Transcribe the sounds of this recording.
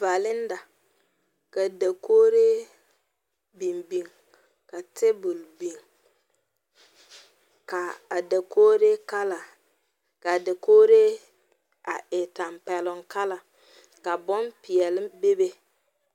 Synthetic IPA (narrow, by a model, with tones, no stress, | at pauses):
va˨lɪ˦n˦da˨ | ka˨da˨kʰoː˦ɾe˦ | bi˨mbi˨ŋ | ka˨tɪ˦bu˨lbi˨ŋ | ka˨a˨da˨kʰoː˦ɾe˦ka˦la˨ | ka˨da˨koː˦ɾe˦ | a˨ʔɪ˨ta˨mpɛ˨lʊ˨ŋka˦la˨ | ka˨bɔ˦npi˨ɛ˨lɪ˦be˦be˦